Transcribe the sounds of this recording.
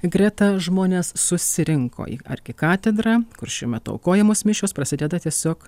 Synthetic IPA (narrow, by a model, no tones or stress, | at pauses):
ɡɾʲɛt̪ɐʒmoːnʲeːssʊsʲɪɾʲɪŋkʰo̰ːḭɐ̰rʲɡʲɪkɑːt̪ʲɛd̪ɾɐkʊɾʃʲuːmʲɛt̪ʊɐ̰ʊkoːjɛmoːsmʲɪʃʲoːspɾɐsʲɪd̪ʲɛd̪ɐt̪ʲiɛsʲoːk